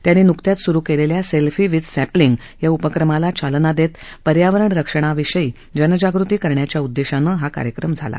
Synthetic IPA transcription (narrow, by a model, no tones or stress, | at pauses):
t̪janːiːnukt̪jat̪suɾukeleljaselfiːʋid̪sæpliŋɡ | jaupəkɾəmalat͡ɕalnad̪et̪pəɾjaʋəɾəɳɾəkʂəɳ̃aʋiɕəi | d͡ʑənəd͡ʑaɡɾut̪iːkəɾɳjat͡ɕjaud̪ːeɕanəɦaka̰ɾjəkɾəmd͡zʱa̰la̰